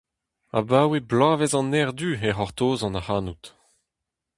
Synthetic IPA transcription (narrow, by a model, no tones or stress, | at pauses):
a̰baːweblaːvɛzɑ̃nɛʁd̪yeʁɔʁt̪oːzɑ̃nahaːnut̪